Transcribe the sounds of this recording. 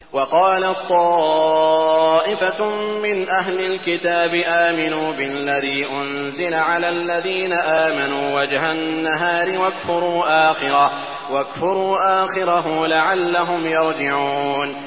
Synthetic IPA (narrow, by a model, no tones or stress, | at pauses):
wɑqɑːlat̪ˤːɑː | ʔɪfamɪnʔaɦlɪlkɪt̪aːbɪʔaːmɪnuːbɪlːaðiːʔʊn | zɪlaʕalaːlːaðiːnaʔaːmanuːwad͡ʒhanːaɦaːɾɪwakfʊɾˤuːʔaːxɪɾa | wakfʊɾˤuːʔaːxɪɾaɦʊlaʕalːaɦʊmjɑɾˤd͡ʒɪʕuːn